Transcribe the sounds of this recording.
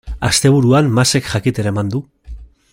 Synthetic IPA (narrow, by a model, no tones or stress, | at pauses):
ast̪e̞β̞uɾuanmase̞kʝakit̪e̞ɾamand̪u